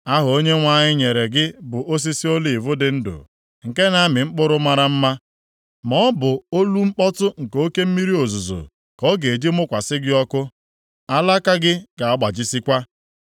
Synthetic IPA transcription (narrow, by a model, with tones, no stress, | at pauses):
a˦ɦʊ˨o˦ɲe˦ŋʷa˦˨ɲɪ˦ɲe˨ɾe˨ɡɪ˦bʊ˨ʔo˦s̬i˦si˦o˦li˨vʊ˦dɪ˨n̩˦dʊ̰˨ | ŋ̩˨ke˦na˨˦mɪ˨ŋ͡m̩˦k͡pʊ˦ɾʊ˦ma˦ɾa˦m̩˦ma˦ | mɔ˦bʊ˨o˦lu˦ŋ͡m̩˦k͡pɔ˦tʊ˦ŋ̩˨ko˦ke˦m̩˦mi˦ɾi˦o˨zu˨zo̰˨ | kɔ˦ɡe˨d͡ʒi˦mʊ˦kʷa˨sɪ˦ɡɪ˦ɔ˦kʊ˦ | a˦la˦ka˦ɡɪ˦ɡa˨a˦ɡ͡ba˨d͡ʒi˦si˦kʷa˦